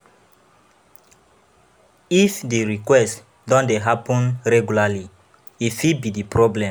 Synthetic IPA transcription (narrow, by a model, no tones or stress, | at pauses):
ifdeɹikwɛst | dɔ̃ndeɦapɔ̃nɹɛɡulali | ifibidipɹɔblɛ̃